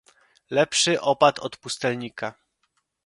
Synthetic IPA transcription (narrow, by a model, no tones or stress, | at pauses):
lɛpʂɘʔɔpat̪ʰɔt̪pust̪ɛlɲika